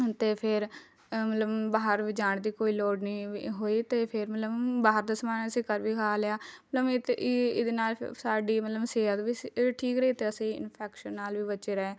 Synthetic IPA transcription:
t̪eːpʰɪɾ | mət̪ləbbaːɦəɾʋiːd͡ʒaːɳd̪iːkoːiːlɔːɖniːɦoːiːt̪eːpʰɪɾmət̪ləbbaːɦəɾd̪əsmaːnəsĩːkəɾʋiːkʰaːlɪjaːmət̪ləbt̪ɪd̪eːnaːlsaːɖiːmət̪ləbseːət̪ʋiːʈʰiːkɾeiːt̪eːəsĩːɪ̰npʰɛːkʃənːaːlʋiːbət͡ʃeːɾɛeː

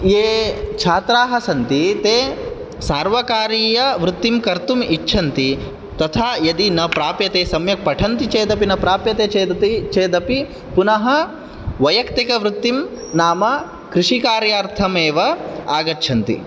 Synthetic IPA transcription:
eːt͡ʃʰaːt̪ɾaːɦɐsɐnt̪it̪eː | saːɾʋɐkaːɾiːjɐʋɾut̪ːimkɐɾt̪umitːʃʰɐnt̪i | t̪ɐt̪ʰaːjɐd̪inɐpɾaːpjɐt̪eːsɐmjɐk̚pɐʈʰɐnt̪it͡ʃeːd̪ɐpinɐpɾaːpjɐt̪eːt͡ʃeːd̪ɐt̪it͡ʃeːd̪ɐpi | punɐɦɐ | ʋɐjɐkt̪ikɐʋɾut̪ːim | naːmɐ | kɾɪʂikaːɾjaːɾt̪ʰɐmeːʋɐaːɡɐtːʃʰɐnt̪ḭ

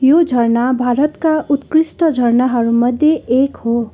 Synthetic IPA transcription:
jod͡zʱʌɾnabʱaɾʌt̪kaʔut̪kɾisʈʌd͡zʱʌɾnaɦʌɾumʌd̪ʱjeekho

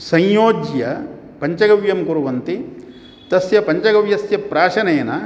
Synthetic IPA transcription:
sɐjjoːd͡ʒjɐ | pɐɲt͡ʃɐɡɐʋjɐmkuɾuʋɐnt̪i | t̪ɐsjɐpɐɲt͡ʃɐɡɐʋjɐsjɐpɾaːʃɐnɐjɐnɐ

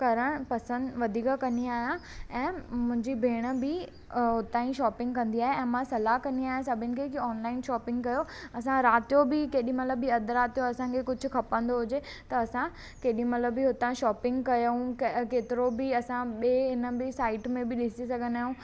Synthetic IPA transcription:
kɐɾəɽ̃pɐsə̃nd̪ʋɐd̪ʱiːkakɐniaːɦijãɛ̃ːmʊ̃ɦɪ̃ɲd͡ʑibʱeːɽ̃ə̆bɪ | ɦʊt̪aːĩʃɔːpɪ̃ŋɡkɐ̃nd̪iaːɦeɛ̃ːmãsɐlaɦkɐ̃niaːɦjãsɐbʱɪnɪ̆kʰekiɔːnlaːɪnʃɔːpɪ̃ŋɡkɐjoɐsãɾaːt̪jobikeːɗĩmɐt̪ləbːiɐd̪ɾaːt̪joɐsãkʰekʊd͡ʑʱʊ̆kʰɐpə̃nd̪oɦʊd͡ʑe | t̪ɐːsã | keːɗĩmɐt̪ləbːiɦʊt̪aːĩʃɔːpɪ̃ŋɡkɐjũkkeːt̪ɪɾobiɐsãɓeːɪnə̆bɪsaːɪʈmẽbɪɗɪsisɐɡʱə̃nd̪aːɦjũː

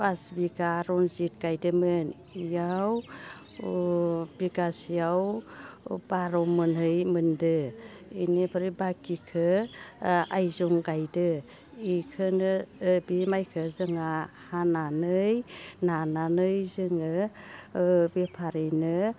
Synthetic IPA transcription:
basbiɡaɾɔnzit̚ɡ̥ajdɯmɯn | ijaw | b̥iɡasijaw | baɾɔmɯnhɯjmɯndɯ | inepʰɯɾɯbakikʰɯ | ajzɔŋɡajdɯ | ikʰɯnɯbimajkʰɯzɯŋahananɯjnananɯjzɯŋɯ | bepʰaɾenɯ

